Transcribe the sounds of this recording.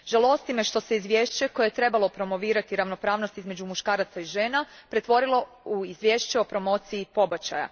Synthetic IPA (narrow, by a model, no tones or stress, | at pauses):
ʒ̥alo̞st̪ime̞ʃt̪o̞se̞izʋʲjeːʃt͡ʃe̞ko̞jet̪ɾe̞balo̞pɾo̞mo̞ʋiːɾat̪iɾaʋno̞pɾaːʋno̞st̪izme̞d͡ʑumuʃkaːɾat̪saiʒe̞ːnapɾe̞t̪ʋo̞ɾilo̞ | uizʋjeːʃt͡ɕeo̞pɾo̞mo̞ːt̪siipo̞bat͡ɕa̰ja̰